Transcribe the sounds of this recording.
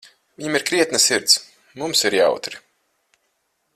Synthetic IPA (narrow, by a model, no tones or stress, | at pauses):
viɲamiɾkɾiɛt̪nɐsiɾt̪s | mumsiɾja̰wt̪ɾi